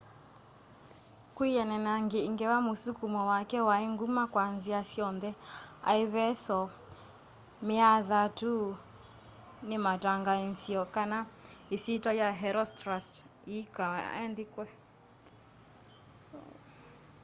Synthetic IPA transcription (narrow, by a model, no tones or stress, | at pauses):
kwijɛnɛnaŋɡeiŋɡɛwamusukumɔwakɛwaeŋɡumakwanziasjɔnðɛa̰eβɛsɔ | meaðatu | nemataŋɡansiɔkanaisitɔjaɦɛɾɔstɾast | ika̰ɛndekwɛ